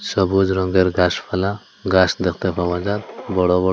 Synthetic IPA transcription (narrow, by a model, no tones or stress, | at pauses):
sɔbud͡ʒɾɔŋɡɛɾɡaspʰala | ɡasd̪ɛkʰt̪ɛpʰabad͡ʒat̪̚bɔɽɔbɔ